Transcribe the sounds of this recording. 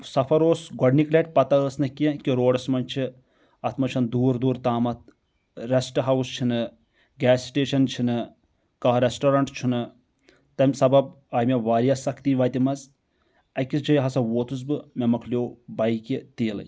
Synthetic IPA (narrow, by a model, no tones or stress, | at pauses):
sɐfʰɐɾoːsɡɐɖnikleʈ̚ʲpɐt̪ɐəːsnɨkikʲiɾoːɖɐsmɐnt͡ʃʰi | ɐt̪ʰmɐt͡ʃʰɐnd̪uːɾd̪uːɾt̪aːmɐt̪̚ | ɾesʈɐɦɐwst͡ʃʰinɨ | ɡʲɛːsʈeːʃɐnt͡ʃʰinɨ | kɐɦɾesʈoɾɐɳʈt͡ʃʰunɨ | t̪ɐmʲsɐbɐb̚ | aːjmeʋaːɾijɐsɐkʰt̪iʋaːt̪imɐz | ɐkisd͡ʒɐjɦɐsɐʋoːt̪ʰus̬bɨmʲemɐkʰlʲijoːbɐjkit̪eːlɐ̰